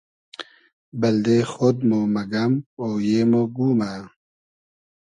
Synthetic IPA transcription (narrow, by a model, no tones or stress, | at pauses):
bɐld̪exod̪̚momɐɡɐmoːjemoɡuːma